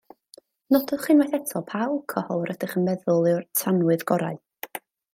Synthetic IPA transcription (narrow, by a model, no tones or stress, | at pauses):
nɔdɔðχiːnmajθɛtʰɔpʰawlˠkʰɔhɔwɾədɪχənmɛðʊlˠɨwrtʰanwɨðɡɔɾa̰ɨ